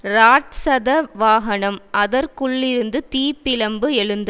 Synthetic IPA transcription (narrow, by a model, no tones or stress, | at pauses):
ɾaːʈsɐðɐʋaːɦɐɳɐmʔɐðɐɾkʊɭːɪɾɯnd̪ɯt̪iːpːɪlɐmbɯɛɻɯnd̪ɐ